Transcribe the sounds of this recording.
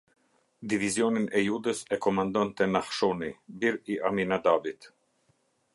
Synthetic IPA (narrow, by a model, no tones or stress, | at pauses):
d̪ivizjɔninɛjud̪əsɛkɔmand̪ɔnt̪ɛnahʃɔnibiɾiʔaminad̪abit̪